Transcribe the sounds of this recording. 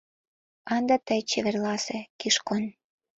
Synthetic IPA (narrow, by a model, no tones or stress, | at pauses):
ɑnd̪ɑt̪əjt͡ɕeβĕrlɑsĕkiʃkon